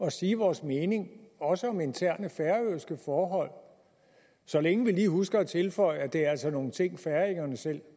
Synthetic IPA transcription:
ɒ̽siːʋɒːsmeːne̝ŋɒ̽səɒ̽me̝nt͡sʰæɐ̰nəfæɐøːsɡ̥əfɒːɦɒ̽l̰ | sɒ̽leŋəʋiliːɦhusɡ̥ɐɒt͡sʰe̝lfɒ̽ɪ̰æd̥e̝æɐælsɒno̝ːn̩t͡sʰe̝ŋ̰fæɐe̝ŋɐnəsel̰

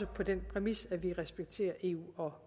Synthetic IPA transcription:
əpʰɒ̽d̥enpʰʁɛmisæʋiʁɛsb̥eɡ̥t͡sʰe̝̰ːɐʔe̝ːṵːɒ̽

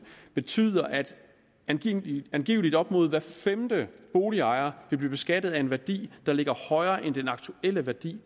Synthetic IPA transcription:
b̥e̝t͡sʰy̰ːðˠɐʔæd̥ | ænɡ̥ḭːʊlid̥ɒ̽b̥mɔ̝ːð̞̩ˠʋæɐfemd̥əb̥o̝ːliɑ̈ɪɐʋe̝lb̥liːb̥e̝sɡ̥æd̥əð̞̩ˠæe̝nʋæɐd̥ḭːd̥ɑ̈le̝ɡ̥ɐhɒ̽ɪɐːʔend̥enɑ̈ɡ̥t͡sʰuel̰əʋæɐd̥ḭː

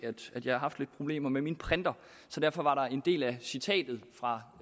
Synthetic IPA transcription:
æd̥æd̥jɑ̈ɪhɑ̈ɦɑ̈fd̥le̝d̥̚pʰʁo̝b̥le̝̰ːmɐmeminpʰʁɛnd̥ɐ | sɒ̽d̥æɐ̰fɒ̽ʋɑ̈ɾɑ̈e̝nd̥e̝̰ːlæsit͡sʰɛ̰ːd̥ð̞̩ˠfʁɑ̈

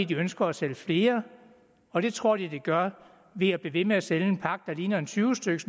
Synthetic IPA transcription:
id̥iønsɡ̥ɐːseləfle̝ːɐ | ɒ̽d̥e̝t͡sʰʁo̝ɐ̰d̥id̥eɡ̥ɶɐ | ʋe̝æb̥leʋe̝meæseləenpʰɑ̈ɡ̥̚d̥ɑ̈liːnɐe̝nt͡sʰyːʊəsd̥øɡ̥əs

